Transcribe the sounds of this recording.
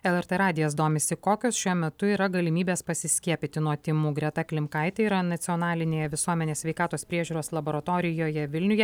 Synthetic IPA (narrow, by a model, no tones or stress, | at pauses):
ɛlˠɛɾt̪ɛɾɑːd̪ʲɪjɛs̬d̪oːmʲesʲɪkoːkʲoːsʃʲuɔmʲɛt̪ʊiːɾɐɡɐlʲɪmʲiːbʲeːspɐsʲɪsʲkʲiɛpʲɪt̪ʲɪnuɔt̪ʲimuːɡɾʲɛt̪ɐklʲɪmkɐɪt̪ʲɛiːɾɐnɐt̪sʲɪɔnɑːlʲɪnʲeːjɛʋʲɪsuɔmʲɛnʲeːsʲʋʲɛɪkɑːt̪oːspʲɾʲiɛʒʲuːɾoːslˠɐboːɾɐt̪oːɾʲɪjoːjɛʋʲɪlʲnʲʊjɛ